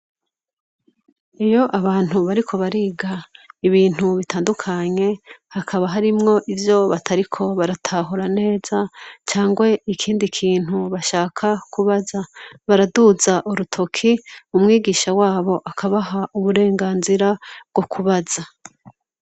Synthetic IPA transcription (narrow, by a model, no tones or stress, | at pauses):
ejo̞ʔaβaːn̥huβaɾikʰo̞βaɾiːɡaiβiːn̥huβitaːndukʰaɲe̞hakʰaβaɦaɾimŋo̞ʔivjo̞βatʰaɾikʰo̞βaɾatʰaɦuɾane̞ːz̥at͡ʃaːŋɡwe̞ikʰiːndikʰiːn̥huβaʃaːkʰakʰuβazaβaɾaduzaʔuɾutʰo̞kʰiumŋiːɡiːʃawaːβo̞ʔakʰaβaɦaʔuβuɾe̞ːŋɡaːnziɾabɡ̥o̞kʰuβaz̥a